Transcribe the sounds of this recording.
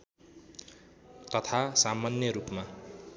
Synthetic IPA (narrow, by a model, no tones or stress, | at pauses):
t̪ʌt̪ʰasamanjʌɾupma